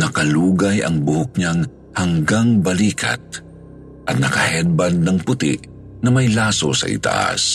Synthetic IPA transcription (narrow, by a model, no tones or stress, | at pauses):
nɐkɐluːɡɐjʔɐ̰ŋbʊhʊk̚ɲaŋ | hɐŋɡaŋbɐliːkʰɐ̰t̪̚ | ʔɐt̪̚nɐkɐhɛd̪̚bɐd̪̚nɐŋpʊt̪ɪ̰ʔ | nɐmɐjlaːsosɐ̰ʔɪ̰t̪a̰ʔa̰s